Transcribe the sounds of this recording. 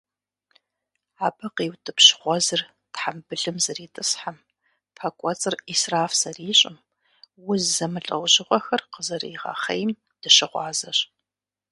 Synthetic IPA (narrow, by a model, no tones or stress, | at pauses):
ʕaːbɐqeːwtʰʼɨpɕχʷɔzɨr | tħambɨɮɨmzɐriːtʼɨsħam | pʰɐkʷʼɔt͡sʼɨriːsraːfsɐriːɕʼɪm | wʊzɐmɨɬʼɐ̰wʑɪʁʷɔxɐrqəzɐrḭːʁa̰ːχɐjm | d̥ɨʃɪʁʷɑ̰ːzɐɕ